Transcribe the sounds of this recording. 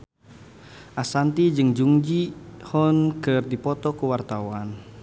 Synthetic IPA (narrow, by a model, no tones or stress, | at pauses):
ʔasant̪id͡ʒɨŋd͡ʒuŋd͡ʒihɔnkɨrdipɔt̪ɔkuwart̪awan